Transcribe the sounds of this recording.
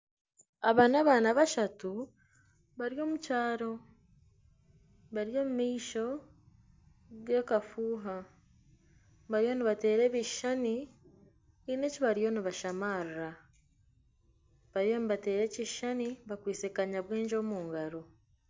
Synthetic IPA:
aβaːnaβaːnaβaʃatu | βaɾijo̞ːmucaːɾo̞ | βaɾjo̞ːmumiːʃo̞ | ɡe̞kafuːɦa | βaɾjo̞ːniβate̞ːɾe̞βiʃani | ine̞ciβaɾijo̞niβaʃamaːɾra | βaɾjoniβate̞ːɾe̞ːciʃaniβakwiːsekaɲaβweːɲd͡ʒo̞ːmuːŋɡaɾo

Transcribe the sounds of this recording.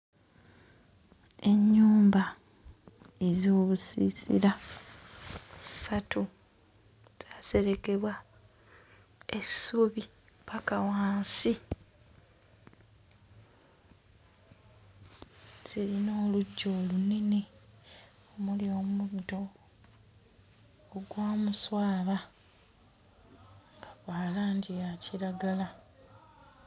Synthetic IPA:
e̞ɲːuːmba | ezoːβusḭsḭɾa | satʰu | z̥aːse̞ɾe̞ke̞βwa | esuβi | pakawaːnsi | ziɾino̞ːluɟːo̞ːlunene | omulioːmudo̞ | ɡwaːmuswaːβa | pḁβaːlaːnɟijaciɾaɡala

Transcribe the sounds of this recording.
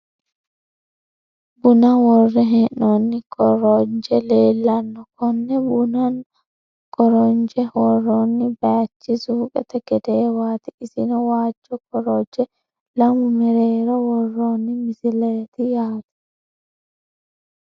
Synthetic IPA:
bʊnɐwɔrːɛɦɛnːonːɪkʼɔɾɔnd͡ʒɛleːlːɐnːɔkɔnːɛbʊnɐn | kɔɾɔnd͡ʒɛhɔrːonːɪbɐjɐt͡ʃːɪsukʼɛ̰t̪ɐɡ̥ɛd̪eːwaːt̪ɪɪsɪnɐwaːd͡ʒːɔkɔɾɔd͡ʒɛ | lɐmʊmɛɾeːɾɐwɔrːoːnːɪmɪsɪleːt̪ɪjaːt̪ɪ̥

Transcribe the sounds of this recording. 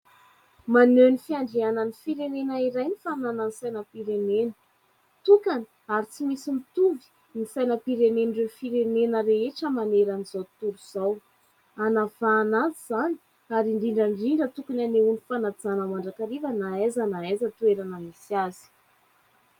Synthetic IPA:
manønifiaɳɖ͡ʐeananifiɾenenaiɾajnifanananisajnəpiɾenenə | t̪ukani̥ | aɾit͡simisimit̪uvi̥ | nisajnəpiɾenenirewfiɾenenəɾeɦeʈ͡ʂəmaneɾanizat̪uɾuz̥aw | anafaːnaziz̥ani̥ | aɾiɳɖ͡ʐiɳɖ͡ʐəɳɖ͡ʐiɳɖ͡ʐət̪ukunaneunifanad͡zanəmaɳɖ͡ʐakaɾivənaezanaezət̪ueɾanəmisiazi̥

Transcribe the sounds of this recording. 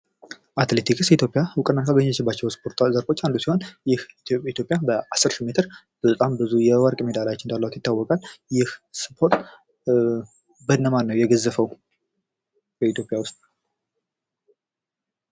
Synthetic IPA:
ʔat̪le̞t̪ʰikɨsɛit̪ʰjo̞pʼijawʊkʼənːat̪ʰabəɲːt͡ʃɪbːat͡ʃːɛwspʰo̞ɾt̪ʰzəɾfo̞t͡ʃːand̪usiho̞njɪhit̪ʰjo̞pʼjabəʔasːɨɾʃimet̪ʰɨɾ | b̥ət̪ʼambɨzujɛwəɾkʼmed̪alat͡ʃːɪnd̪alːəwat̪jɪt̪ːawːɔkʼaljɪhspʰo̞ɾt̪ | bəd̪nəmaɾnəwjɛɡəzəfəw | b̥əit̪ʰjo̞pʼjawʊst̪ʼ

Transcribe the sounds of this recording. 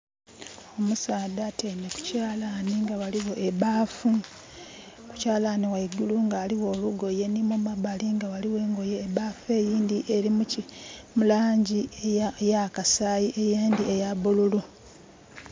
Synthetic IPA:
o̞musaːdateneku̥caːlaniŋɡawaliwo̞ʔeβaːfu | ku̥caːlaniwaiɡuluŋɡaːliwo̞ːluɡo̞je̞nimomabaliŋɡawaliwe̞ːŋɡo̞je̞ːβaːfe̞ːjiːndiʔeɾimucimulaːɲɟijakasaːjiʔejeːndiejaβululu

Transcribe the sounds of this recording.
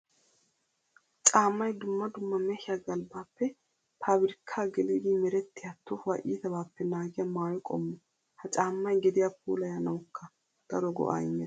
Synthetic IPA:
t͡ʃʼaːmːɐjd̪ʊmːɐd̪ʊmːɐmeːhɪjaɡɐlbaːpːɛ | pʰaːbɪɾɪkʰːaːɡɛlid̪iːmɛɾɛt̪ːɪjat̪ːʊfɐʔiːsɐbaːpːɛnaːɡɪjɐmaːjɔkʼɔ̰mːɔ | hɐt͡ʃʼaːmːɐjɡɛd̪ɪjapʰṵːlɐjanɐwʊkʰːɐ | d̪̥ɐɾɔɡɔ̰ʔa̰ɪmːɛ

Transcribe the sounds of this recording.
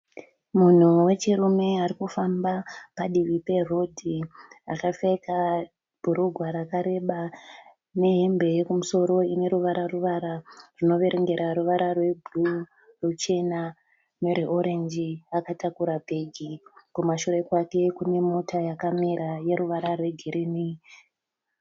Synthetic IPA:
mun̤uwe̞t͡ʃirume̞aɾikufambapaɗiʋipe̞ro̞dʱia̰kafeka | b̥ʱuɾuɡʱwaɾakaɾe̞ɓa | ne̞ɦe̞mbe̞jekumuso̞ɾo̞ine̞ɾuʋaɾaruʋaɾarino̞ʋe̞ɾʔeŋɡe̞ɾaɾuʋaɾarwe̞bʱlu | rut͡ʃe̞na | neɾiʔoɾe̞nd͡ʒiakatakuɾabʱe̞ɡʱikumaʃuɾe̞kwake̞kune̞motʰajakamiɾaje̞ɾuʋaɾarwe̞ɡʱiɾini

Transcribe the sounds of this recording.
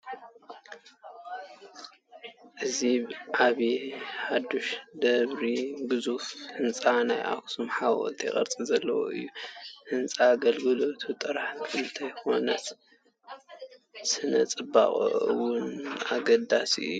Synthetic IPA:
ʔɨziʕaβiħad̪uʃd̪ɐβɾiɡɨzufhɨnt͡sʼanajʔa̰ksumħaɔ̰t̪ʰʼiɛ̰kʼɐ̰ɾt͡sʼizɐlːɐ̰wo̰ɨ̰jːuhɨnt͡sʼaɡɐlɡɨlo̞t̪ʰut̪ʼɨɾħkʰɨnt̪ʰɐjxo̞nɐt̪ | sɨnɐt͡sʼɨba̰χʼo̰ʔwʊnaɡɐd̪asḭɨ̰jːu

